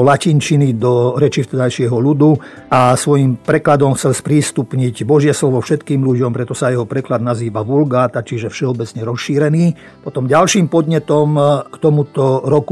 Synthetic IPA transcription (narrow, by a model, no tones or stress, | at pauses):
lacint͡ʃinid̪ɔɾɛt͡ʃift̪ɛd̪ajʃɪɛɦɔʎud̪u | asʋɔjimpɾɛklad̪ɔmxt͡sɛlspɾiːst̪upɲiɟbɔʒɪɛslɔʋɔfʃɛt̪kiːmluɟɔmpɾɛt̪ɔsajɛɦɔpɾɛklad̪naziːʋaʋulɡaːt̪at͡ʃiʒɛfʃɛɔbɛt͡sɲɛɾɔsʃːiːɾɛniː | pɔt̪ɔmɟalʃiːmpɔd̪ɲɛt̪ɔmkt̪ɔmut̪ɔɾɔku